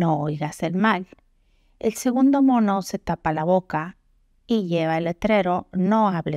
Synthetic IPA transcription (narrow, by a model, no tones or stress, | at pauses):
oojɣaselmal | elseɣund̪omonoset̪apalaβoka | iʝeβaelet̪ɾeɾonoaβle